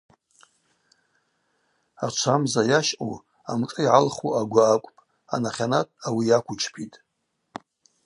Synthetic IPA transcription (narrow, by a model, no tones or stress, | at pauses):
at͡ʃʷʰamzajaʃqʼṵ | a̰mtʼɨiʕalχuaɡʷaːkʷʼpʼ | a̰naχʲanatʼawijakʷʰʊt͡ʃʰpʰitʼ